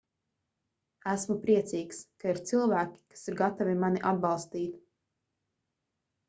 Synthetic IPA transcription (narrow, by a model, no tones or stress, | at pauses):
æsmupɾiɛt̪siːkskaiɾt̪silˠvæːkʲi̥kḁsiɾɡat̪avimaniʔad̪̚bɑlˠst̪iːt̪